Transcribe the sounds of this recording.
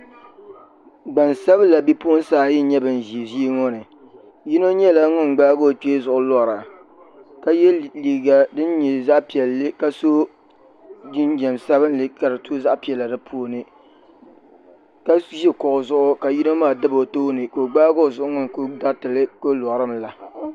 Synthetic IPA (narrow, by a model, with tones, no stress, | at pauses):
ɡ͡ba˨nsa˦bɨ˦la˨bi˦pu˦o˦n˦saː˦˨jɪ˦ɲɛ˦bɨ˨n˨ʒi˨zi˦i˦ŋɔ˦nɨ˨ | ji˦no˦ɲɛ˦la˦ŋʊ˦n˨ɡ͡baː˦ɡo˦˨to˦zʊ˨ʔʊ˦lɔ˦˨ɾa˨ | ka˦jɛ˦li˨ɡa˨dɨ˦nɲɛ˨za˦ʔpi˨ɛ˨lːɨ˦ka˦so˦ | d͡ʒi˦nd͡ʒɛ˨nsa˦βɨ˦nlɨ˦ka˨dɨ˨tʰo˦za˦ʔpi˨ɛ˨lːa˨dɨ˦pʰo˦nɨ˨ | ka˦ʒi˦kɔ˨ʔʊ˨zʊ˦ʔʊ˦ka˨ji˦no˦maː˦˨dɨ˦bo˨toː˦nɨ˨ko˨ɡ͡baː˦ɡo˦˨zʊ˦ʔʊ˦ŋʊ˦n˨ko˦da˦tɨ˨lɨ˦ko˦lɔ˨ɾɨ˦mla˨